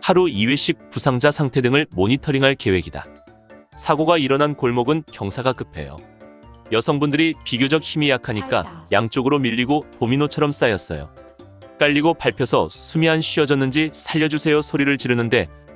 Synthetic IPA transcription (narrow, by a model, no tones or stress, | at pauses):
haɾuiwe̞ɕ͈ʰik̚pusʰaŋd͡ʑasʰaŋtʰe̞dɯŋɯɭmoɲitʰʌɾiŋɦaɭke̞we̞ɡida̰ | sʰaɡoɡaiɾʌnankoɭmoɡɯnkjʌŋsʰaɡak͈ɯpʰe̞̰jo̰jʌsʰʌŋbundɯɾipiɡjod͡ʑʌk̚çimijakʰaɲik͈a̰jaŋt͡ɕ͈oɡɯɾomiʎːiɡopominot͡ɕʰʌɾʌms͈ajʌs͈ʌ̰jo̰ | k͈aʎːiɡopaɭpʰjʌsʰʌ̰sʰumjianɕʰiʌd͡ʑʌnːɯnd͡ʑisʰaʎːʌd͡ʑusʰe̞jʌsʰoɾiɾɯɭt͡ɕiɾɯnɯnde̞